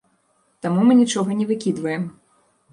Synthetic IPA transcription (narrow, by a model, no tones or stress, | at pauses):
t̪amumɨnʲit͡ʂɔɣɐnʲɛvɨkʲid̪vɐjɛm